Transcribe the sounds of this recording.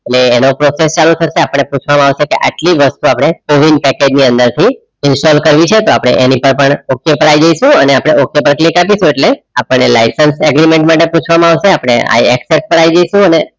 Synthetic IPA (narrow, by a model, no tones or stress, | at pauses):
eʈleːnopɾɔsest͡ʃalut̪ʰəʃeapəɳ̃ːepũt͡ʃʰʋamãaʋʃekeʔa̰ʈliʋəst̪uapɽ̃ekoʋinɖ̚pɛked͡ʒniənd̪əɾt̪ʰi | ɪnsɔlkəɾʋit͡ʃʰet̪oapɽ̃ḛʔenipəɾpəɳokjepəɽajd͡ʒəjʃũəneapɽ̃eokjepəɾklikapiʃũeʈle | apəɳːelaisənsɛɡɾimẽɳʈmaʈepũt͡ʃʰʋamãaʋʃeapəɽ̃ḛa̰iɛksespəɾaid͡ʒəjʃũəne